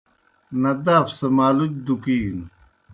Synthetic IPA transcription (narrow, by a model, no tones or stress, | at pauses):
nɐd̪aːfsɐmaːlud͡ʑd̪ukiːn